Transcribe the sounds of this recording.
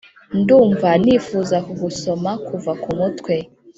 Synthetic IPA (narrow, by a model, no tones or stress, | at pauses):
nduːɱvaniːfuzakuɡusomakuvakumutkwe